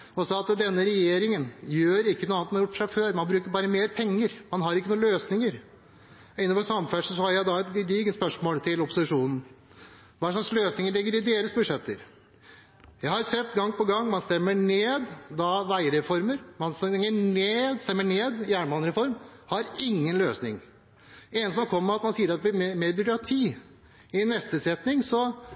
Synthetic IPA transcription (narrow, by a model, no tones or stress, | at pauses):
ɔsɑɑt̪d̪ɛnːəɾɛjeːɾɪŋənjøːɾɪkːənuːɑnt̪mɑnːhɑjʊʈːfʂæɪføːɾmɑnbɾʉːkəɾbɑːɾəmeːɾpʰɛŋːəɾmɑnɦɑɾɪkːənuːløːsnɪŋəɾ | ɪnːəfɔsɑmfæʂsɔhɑɾjæɪd̪ɑɛt̪d̪iːɡənspœʂmoːlt̪ʰɪlɔpʊssɪʂuːnn̩ | ʋɑːʂ̬lɑksløːsnɪŋəɭɪɡːəɾɪd̪eːɾəsbʉʂɛt̪ːəɾ | jæɪhɑɾsɛt̪ːɡɑŋːpɔɡɑŋːmɑnst̪ɛmːəɳeːd̪ːɑʋæɪəɾɛfɔɾməɾmɑnsɛŋːəɳeːd̪st̪ɛmːəɳeːd̪ɪæːɳmɑnɾɛfɔɾmhɑɾɪŋːənløːsnɪŋ | ɛnəsɔkʰɔmːəɾɑt̪mɑnsiːəɾɑt̪ːɛb̪ɪɾmmeːɾbɪkɾɑt̪ʰiː | ɪnːɛst̪əsɛt̪nɪŋsɔ